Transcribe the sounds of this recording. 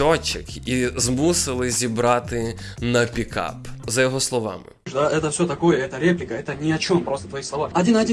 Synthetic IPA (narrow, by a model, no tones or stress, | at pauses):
ot͡ʃɪkizmusɪlˠɪzʲibɾɑt̪ɪ | nɐpʲikɑ̰pzɐjɔɦɔslˠɔʋɑ̰mɪ̰ʂd̪aʔɛt̪əfsʲot̪ɐkojɛɛt̪əɾʲeplʲɪkɐɛt̪ənʲɪɐt͡ɕompɾost̪ə̥t̪ʋɐjilˠɐʋaɐdʲinɐdʲi